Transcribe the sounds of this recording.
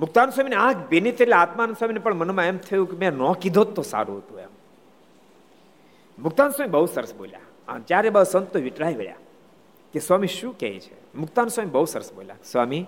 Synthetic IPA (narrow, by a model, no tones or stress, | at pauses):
mʊk̚t̪answamineãkʰbenit̪əɾilaat̪manswaminepəɳmənmãemt̪ʰəjũkemɛ̃nɔ̃kid̪ʱot̪ːosa̰ɾṵ̃ɦət̪ũḛm | mʊk̚t̪answaːmibəɦusəɾəsbo̰lja̰ | a̰t͡ʃjaɾebasənt̪ːoʋiʈlaiʋḛɭja̰ | keswamiʃũkɛ̰it͡ʃʰḛ | mʊk̚t̪answamibəɦusəɾəsbo̰lja̰sʋami